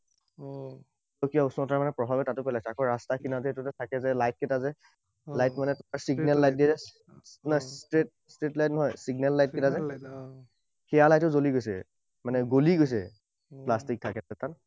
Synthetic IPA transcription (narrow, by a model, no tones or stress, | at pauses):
okijaʊsunɔtaɹmanɛpɹɔbʱabɛtatʊpalajsɛakɔ̃ɹastakʰinazɛetʊtatʰakɛzɛlajt̚kɛtazɛ | lajtmanɛtɔkaɹsiɡnɛlːajt̚dizɛ | nɔstɹet̚ | stɹetlajtnɔɦɔjsiɡnɛlːajt̚kɛtazɛ | xɛjalajtɔzoliɡojsɛ̰ | manɛɡoliɡojs̬ɛ̰ | plastik̚tʰakɛɛtat